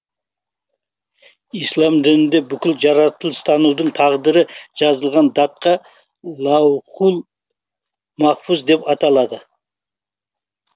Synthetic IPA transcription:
ijslˠɑmd̪ɪnɪnd̪e̞bʏkʲɪlʒɑɾɑt̪əlˠəst̪ʰɑnud̪əɴt̪ʰɑʁd̪əɾəʒ̥ɑzəlˠʁɑnd̪ɑt̪̚qɑ | lˠɑwqulˠ | mɑχfuzd̪e̞pɑt̪ɑlˠɑd̪ə

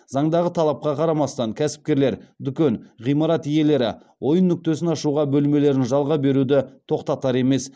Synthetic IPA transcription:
zɑɴd̪ɑʁət̪ʰɑlˠɑp̚qɑqʰɑɾɑmɑst̪ɑŋkʲʰæsɪ̥p̚kʲe̞ɾle̞ɾd̪ʏkʲe̞nʁijmɑɾɑt̪ije̞le̞ɾɪ̰ | wʔo̞jənːʏk̚t̪e̞sɪnɑʃuʁɑbɵlme̞le̞ɾɪnʒɑlˠʁɑbe̞ɾud̪ɪt̪ʰo̞qt̪ɑt̪ɑɾe̞me̞s

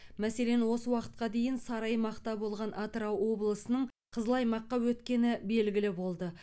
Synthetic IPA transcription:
mæse̞le̞nwo̞səwɑqə̥t̪̚qɑd̪e̞jɪnsɑɾɑjmɑqt̪ɑbo̞lˠʁɑnʔɑt̪əɾɑwːo̞blˠəsənəɴ | qʰəzəlˠɑjmɑqːɑwɵt̪kʲe̞nɪbe̞lɡʲɪlɪbo̞lˠd̪ə

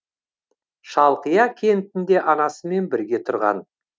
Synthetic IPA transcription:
ʃɑlˠqəjɑkʲʰe̞nt̪ɪnd̪e̞ʔɑnɑsəme̞nbɪɾɡʲe̞t̪ʰʊɾʁɑ̰n

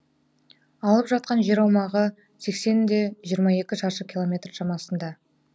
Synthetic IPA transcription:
ɑlˠəpʒɑt̪̚qɑnʒe̞ɾɑwmɑʁə | se̞kse̞nd̪e̞ʒijəɾmɑje̞kʲɪʒɑɾʃəkʲʰilˠo̞mʲe̞t̪rʃɑmɑsənd̪ɑ

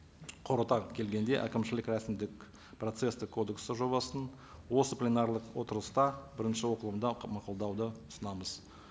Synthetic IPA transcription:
qʰoɾət̪ɑkʲʰe̞lɡʲe̞nd̪e̞ʔæ̰kʲɪmʃɪlɪkɾæsɪmd̪ɪk | pro̞t̪se̞st̪əkʰo̞d̪e̞ksəʒo̞bɑsən | wo̞səplʲenɑɾlˠəqwo̞t̪əɾəst̪ɑbɪɾɪnʃɪwo̞qəlˠəmd̪ɑmɑqəlˠd̪ɑwd̪əʊsənɑməz

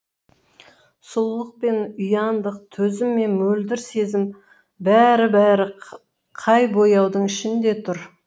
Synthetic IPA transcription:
sʊlˠlːˠəq̚pe̞nʊjɑnd̪əq̚t̪ʰɵzɪmːe̞nmɵld̪ɪɾse̞zɪm | bæɾɪbæɾɪ | qʰɑjbo̞jɑwd̪əɴɪʃɪnd̪e̞t̪ʰʊɾ

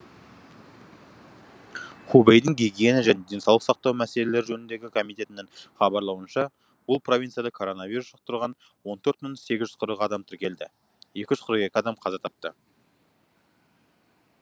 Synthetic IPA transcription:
χubejd̪ɪŋɡʲiɡʲie̞nəʒæne̞d̪e̞nsɑwlˠəqsɑq̚t̪ɑwmæse̞le̞le̞ɾɪʒɵnɪnd̪e̞ɡʲɪkʰo̞mit̪e̞t̪ɪnɪŋχɑbɑɾlˠɑwənʃɑ | bʊlˠpʰro̞vʲint̪sijad̪ɑkʰo̞ɾo̞nɑviɾusʃoq̚t̪ʰəɾʁɑn | wo̞nt̪ʰɵɾt̪mənsse̞ɡʲɪzʒʏ̥z̥qʰəɾəqɑd̪ɑmt̪ʰʏɾkʲe̞ld̪ɪ | je̞kʲɪʒʏzqʰəɾəʁe̞kʲɪɑd̪ɑmqʰɑzɑt̪ʰɑp̚t̪ə

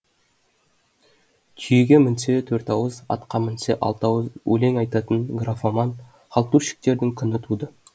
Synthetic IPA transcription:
k̪ʲʰʏjeɡʲe̞mɪnse̞t̪ʰɵɾt̪ɑwəzɑ̰t̪qɑmɪnse̞ʔɑ̰lˠt̪ɑwəzwɵ̰le̞ŋɑjt̪ɑt̪ənɡrafomɑn | χɑlˠt̪uɾʃɪ̥k̚t̪e̞ɾd̪ɪŋkʲʰʏnɪt̪ʰud̪ə

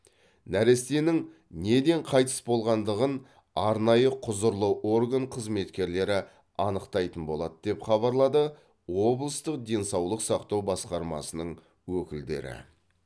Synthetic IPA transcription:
næɾe̞st̪e̞nɪŋ | ne̞d̪e̞ɴqʰɑjt̪ə̥sbo̞lˠʁɑnd̪əʁən | ɑɾnɑjəqʰʊzəɾlˠəʔorɡaɴqʰəzme̞t̪kʲe̞ɾle̞ɾɪ | ɑnəqt̪ɑjt̪ənbo̞̰lˠɑd̪əd̪e̞pχɑβɑɾlˠɑd̪ə | wo̞blˠəst̪əq̚d̪e̞nsɑwlˠəqsɑqt̪ɑwbɑsqɑɾmɑsənəɴ | wɵkʲɪld̪e̞̰ɾɪ̰

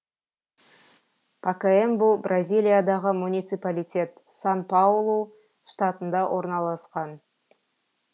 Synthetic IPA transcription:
pʰakaembubrʔazʲijlʲˠijad̪ɑʁəmunʲijt̪sɨpalijt̪ʲe̞t̪ | sanpaulˠo | ʃt̪at̪ənd̪ɑwʔo̞ɾnɑlˠɑsqɑn

